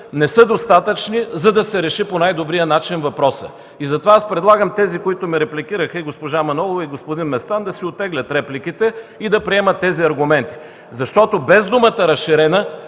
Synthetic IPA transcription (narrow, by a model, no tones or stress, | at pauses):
nɛsɤd̪ost̪at̪ət͡ʃnizɐd̪ɐsɛɾɛʃiponajd̪obɾijənat͡ʃinvɐpɾɔsə̰ | izɐt̪ovaaspɾɛd̪lˠaɡəmt̪ɛzikoit̪omiɾɛplʲikiɾəxɐiɡospoʒamɐnɔlˠovɐiɡospod̪inmɛst̪and̪ɐsiot̪ːɛɡlʲɐt̪ɾɛplʲikit̪ɛid̪ɐpɾiɛmət̪ːɛziɐɾɡʊmɛnt̪i̥ | zɐʃt̪ɔt̪obɛzd̪umət̪əɾɐsʃiɾɛnə